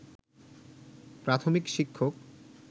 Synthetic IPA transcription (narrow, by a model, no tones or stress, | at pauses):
pɾat̪ʰomikʃikʰːok